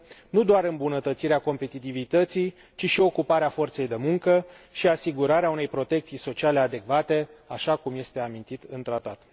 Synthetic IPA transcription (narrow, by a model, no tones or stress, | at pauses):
nud̪oaɾɨmbunət̪ət̪siɾeako̞mpe̞t̪it̪ivit̪ət̪sij | t͡ʃiʃio̞kupaɾeafo̞rt̪se̞jd̪e̞muŋkə | ʃiasiɡuɾaɾeaune̞jpɾo̞t̪e̞kt̪sijso̞t͡ʃiale̞ad̪e̞kvat̪e̞aʃakumje̞st̪e̞amint̪it̪ɨnt̪ɾat̪at̪